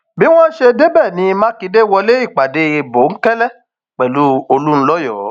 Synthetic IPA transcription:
bi˦w̃ɔ̃˦ʃe˧de˦bɛ˦˨nĩ˧˦˧mãː˦ki˧de˦wɔ˧le˦i˦˨k͡pa˨de˧e˧bo˨˦ŋ̩˦kɛ˦lɛ˦ | k͡pɛ˨lu˨˦o˧lu˦ñ̩˦lɔ˦jɔː˦˨˦

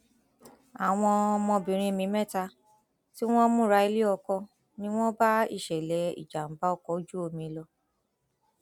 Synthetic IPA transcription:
a˨w̃ɔ̃˧mɔ̃˧bĩ˨ɾ̃ĩ˧e˧mĩ˧mɛ˦ta˧ | ti˦w̃ɔ̃˦mũ˦˨ɾa˧˦i˧le˦ɔ˧kɔ˧ | nĩ˦w̃ɔ̃˦ba˦ḭ˦˨ʃɛ˨lɛ˨˦ḭ˨d͡ʒa˨m̩˨ba˨˦ɔ˧˨kɔ˧˦d͡ʒu˦o˧mĩ˧lɔ˧

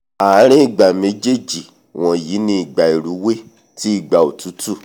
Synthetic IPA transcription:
a˨˦ɾ̃ĩ˦i˨ɡ͡ba˨me˨˧˦d͡ʒe˦˨d͡ʒi˨ | w̃ɔ̃˧ji˨˦nĩ˧i˨ɡ͡ba˨i˨ɾu˨˦we˦ | ti˦i˦˨ɡ͡ba˨o˨tu˨˦tu˦˨

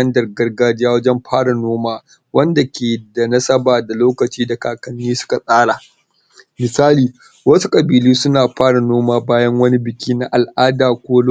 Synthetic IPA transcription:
ɐ˦ndɐ˨rɡɐ˦rɡaː˦d͡ʒɪ˦jaː˦wɐ˦d͡ʒɛ˦mɸʰaː˦ɽa˨noː˦maː˦ | wɐ˦nda˨kʲeː˨da˨nɐ˦sɐ˦baː˨da˨loː˦kɐ˨t͡ʃiː˦da˨kaː˨kɐ˨nːiː˦sʊ̥˦ka˨sʼaː˦ɽaː˨ | mɪ˨saː˦liː˨ | wɐ˦su˦kʼɐ˨biː˨liː˦sʊ˦naː˨ɸaː˦ɽa˨noː˦maː˦baː˦jɐ˦ŋwɐ˦ni˦bɪ˨kʲʰiː˦na˦ʔa˨lʔaː˦daː˨kʷoː˦l

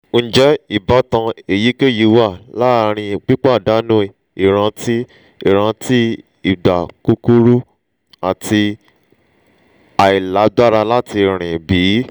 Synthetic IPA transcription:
n̩˦d͡ʒɛ˦i˦˨ba˨˦tã˧e˨ji˨˦ke˦˨ji˨˧˦wa˦˨la˦˧ɾ̃ĩ˧k͡pi˦k͡pa˦˨da˨˦nũ˦i˧ | i˦˨ɾ̃ã˧ti˦ | i˦˨ɾ̃ã˧ti˦ | i˦˨da˨ku˧ku˦ɾu˦ | a˨ti˧ | a˨i˨la˨˦da˦ɾa˧la˦ti˧˨ɾ̃ĩ˨bi˨˦

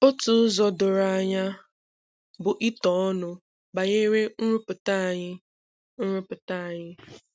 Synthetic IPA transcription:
o˦tʊ˦zɔ˨dʊ˨ɾa˨a˨ɲa˦ | bʊ˨ʔi˦tɔ˨˦ɔ˦nʊ˨ | ba˨ɲe˦ɾe˦n̩˦ɾʊ˦pʊ˨ta˦˨ɲɪ˦ | n̩˦ɾʊ˦pʊ˨ta˦˨ɲɪ˦

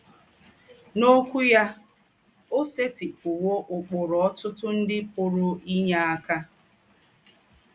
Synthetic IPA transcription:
no˦kʷu˦ja˦ | o˦se˦tɪ˨k͡pʊ˨wo˦ʔʊ˨k͡pʊ˨ɾɔ˨ɔ˦tʊ˦tʊ˦n̩˦dɪ˦pʊ˨ɾʊ˨i˦ɲa˦a˦ka˦

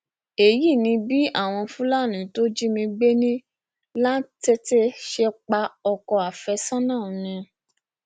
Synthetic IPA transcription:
e˨ji˦˨nĩ˧bi˦ʔa˦˨w̃ɔ̃˧fũ˦la˦˨nĩ˨˦to˦d͡ʒi˦mĩ˧ɡ͡be˦nĩ˦ | lã˦n˦te˦te˦ʃe˧k͡pa˧˦ɔ˧kɔ˧a˨fɛ˧sã˦nãː˦˨nĩ˧

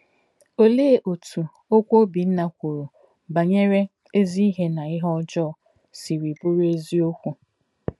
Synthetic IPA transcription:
o˦leː˦˨ʔo˨tʰu˨ | o˦kʷo˦bi˨n̩˦na˦kʷu˨ɾo˨ | ba˨ɲe˦ɾe˦ | e˦zi˦i˦ɦe˦na˨ɪ˦ɦɔ˦d͡ʒɔ˦˨ | si˨ɾi˨bʊ˦ɾe˦zi˦o˦kʷu˨

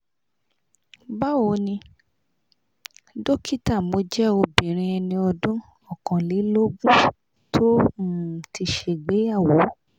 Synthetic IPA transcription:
ba˦wo˨˦nĩ˧ | do˦kʰi˦ta˦˨mo˨˦d͡ʒɛ˦o˧bĩ˨ɾ̃ĩ˧ɛ˧nĩ˧ɔ˧dũ˦ | ɔ˦˨kã˨le˨˦lo˦ɡũ˦ | tʰo˦˨ | ti˧ʃe˦˨ɡ͡be˨˦a˦˨wo˨˦

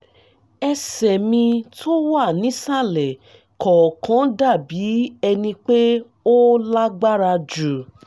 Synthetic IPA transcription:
ɛ˧sɛ˨mĩ˧tʰo˦wa˦˨nĩ˨˦sa˦˨lɛ˨ | kʰɔ˨kʰã˨˦da˦˨bi˨˦ɛ˧nĩ˧k͡pe˦ | o˦la˦ɡ͡ba˦ɾa˧d͡ʒu˨

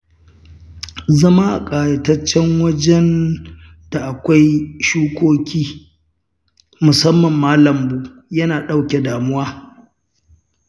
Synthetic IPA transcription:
zɐ˦ma˦ʔa˨kʼaː˨jɐ˨tɐ˦t͡ʃːɛ˦ŋwɐ˦d͡ʒɛ˦n | d̥a˨ʔa˨kʷa˦jʃuː˦kʷoː˦kʲiː˦ | mʊ˨sɐ˦mːɐ˨mːaː˦lɐ˨mbuː˦jɐ˦naː˨ɗa˦wkʲe˨daː˨mʊ˦waː˦

